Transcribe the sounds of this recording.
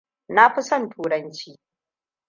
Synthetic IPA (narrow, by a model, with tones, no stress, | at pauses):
na˦ɸɪ˦sɐ˦ntʰuː˨ɾɐ˦nt͡ʃiː˦